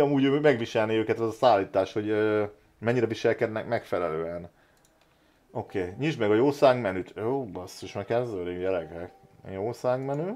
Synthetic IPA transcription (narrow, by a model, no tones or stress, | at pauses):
ɒmuːɟøːmɛɡʋiʃɛlniøːkɛt̪ɛzɒsaːlːiːt̪aːʃho̞ɟøː | mɛɲːiɾɛviʃɛlkɛd̪nɛkmɛkfɛlɛløːɛn | okeːɲiʒmɛɡɒjoːsaːŋɡmɛnyt̪joːbɒst̪iʃmɛkɛnzølijɛlɛɡrɛk | joːsaːŋɡmɛnyː